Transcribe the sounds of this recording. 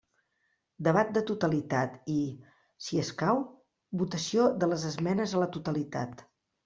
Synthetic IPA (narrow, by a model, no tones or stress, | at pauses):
d̪əβ̞at̪̚d̪ət̪ut̪əlit̪at̪i | siəskaw | βut̪əsioðələzəzmɛnəzələt̪ut̪əlit̪at̪